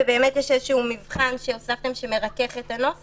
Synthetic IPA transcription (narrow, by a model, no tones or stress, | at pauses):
ebe̞ːmet̪jeʃezeʃuumivχanʃeosaft̪e̞mʃeme̞ʁake̞χe̞t̪ano̞s